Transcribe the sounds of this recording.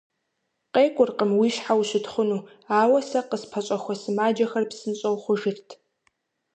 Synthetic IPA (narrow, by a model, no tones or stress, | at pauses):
qʼeːkʷʼʊrqəmwiːʃħawɕʷɪtχʷʊnuː | aːwɐsɐqəspʰɐt͡ʃʷʼɐxʷɔsɨmaːd͡ʒɐxɐrpsɨnɕʼɐwχʷʊʒɪrtʰ